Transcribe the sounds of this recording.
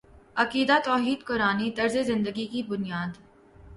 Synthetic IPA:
ɐkiːd̪at̪ɔːɦiːd̪kʊɾaːnit̪ɐɾzezɪ̃nd̪əɡikibʊnijaːd̪

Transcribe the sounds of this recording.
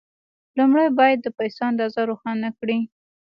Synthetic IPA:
lumɽajbɑjad̪ːəpajsoand̪ɑzaɾoxɑnakɽi

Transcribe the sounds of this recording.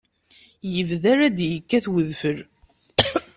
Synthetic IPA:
jəvðaɾæd̪jəkːæθwəðfəɾ

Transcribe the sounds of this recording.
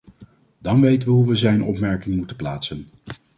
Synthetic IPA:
d̥ɑnʋejtəʋəɦuʋəzɛjnʔɔ̰pmɛɹkɪŋmutəplaːtsən

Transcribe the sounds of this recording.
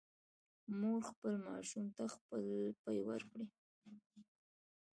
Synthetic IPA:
moɡxpəlmɑ̰ʃumt̪axpəlpajwə̰ɾkɽi

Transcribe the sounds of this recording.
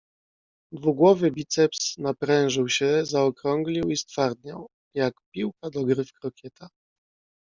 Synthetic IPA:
d̪vuɡwɔvɘbʲit̪sɛpsnapɾɛ̃w̃ʐɘwɕɛzaɔkɾɔŋɡlʲiwist̪faɾd̪ɲaw | jakpʲiwkad̪ɔɡɾɘfkɾɔkʲjɛt̪a

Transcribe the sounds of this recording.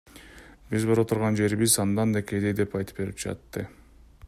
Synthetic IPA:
bizboɾot̪ʰuɾʁɑnd͡ʒe̞ɾβizɑnd̪ɑnd̪eke̞jd̪ed̪e̞pɑjt̪ɯ̥p̚be̞ɾip̚d͡ʒɑ̰t̪ːɯ

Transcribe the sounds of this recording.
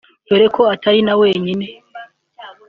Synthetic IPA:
beɾekʰo̞atʰaɾinawe̞ːɲine̞

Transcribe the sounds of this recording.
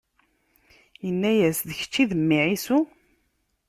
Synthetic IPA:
jənːæjæsðəçə̥t͡ʃːiðəmːiʕisu

